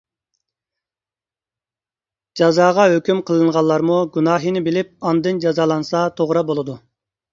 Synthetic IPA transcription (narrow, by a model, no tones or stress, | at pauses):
d͡ʒɑzɑːʁɑɦøkʲymqʰəlˠɨɴʁɑlˠːɑɾmuɡʲunɑːɦinɪbɪlɪp̚ɑnd̪ɨnd͡ʒɑzɑːlˠɑnsɑt̪ʰoʁɾɑbolˠɨd̪u